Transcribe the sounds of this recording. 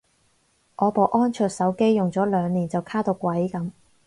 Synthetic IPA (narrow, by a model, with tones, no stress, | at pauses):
ʔɔː˨˧po˨wʔɔː˥nt͡ʃʰœː˨˧t̚sɐ˨˥wke˥jːʊ˨ŋt͡sɔː˨˥lœː˨˧ŋniː˨˩nt͡sɐ˨wkʰaː˥t̪o˧wkʷwɐ˨˥jkɐ˨˥m